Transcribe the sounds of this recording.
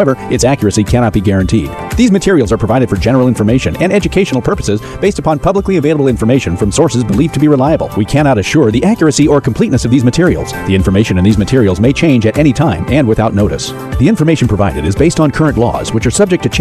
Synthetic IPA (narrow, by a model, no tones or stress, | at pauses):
aʊɛvə˞ɨtsækjə˞ɨsikʰæñɑt̚b̥iɡɛɹɨ̃ntʰid̚ | ðizmɨtʰɪɹil̩ˠzə˞pʰɹ̥əvaɪɾɨd̥fə˞d͡ʒɛnə˞l̩ˠɪ̃ɱfə˞meɪʃɨ̰̃nɨ̃nɛd͡ʒɨkʰeɪʃn̩l̩ˠpʰɜ˞pə̥sɨzb̥eɪstəpʰɑ̃npʰʌbləkliɨveɪlˠəbl̩ˠɪ̃ɱfə˞meɪʃɨ̃nfɹʌ̃msɔɹsɨzbəlivtʰɨbiɹəlaɪəbl̩ˠwikʰænɑɾɨʃʊɹðiʔækjə˞ɨsiə˞kʰm̩pʰl̥itⁿnɨsʌvðizmɨtʰɪɹil̩ˠz̥ðiɪ̃ɱfə˞meɪʃɨ̃nɨ̃nðizmɨtʰɪɹil̩ˠzmeɪt͡ʃʰẽɪ̃nd͡ʒɨɾʔɛɾ̃itʰãɪ̃mɨ̃nwɨθaʊtⁿnoʊɾɨ̰s | ðiɪ̃ɱfə˞meɪʃn̩pʰɹ̥əvaɪɾɨɾɨzbeɪstn̩kʰɜ˞ɨ̃nʔlɔ̰z̥wɨt͡ʃə˞sʌb̚d͡ʒɨk̚tʰɨt͡ʃʰ